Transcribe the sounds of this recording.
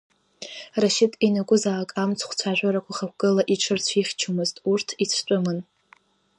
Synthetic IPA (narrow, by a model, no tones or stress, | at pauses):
raʃɪtʼinaɡʷʼʊzaːkʼamt͡sʰχʷt͡sʷʰaʒᶣʷaɾakʷʰaχak̚ʷʰɡ̥ɨlaʔiʈ͡ʂʰɨrt͡sʷʰiχʲt͡ʃʰumɨztʼurtʰit͡sʷʰt͡ʃʷʼʊmɨn